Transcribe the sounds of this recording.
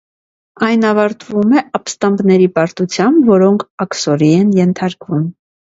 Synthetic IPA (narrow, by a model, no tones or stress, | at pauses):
ɑjnɑvɑɾt̪ʰvumɛɑpst̪ɑmbnɛɾipɑɾt̪ut͡sʰjɑmbvɔɾɔŋkʰɑksɔɾiɛnjɛnt̪ʰɑɾkvum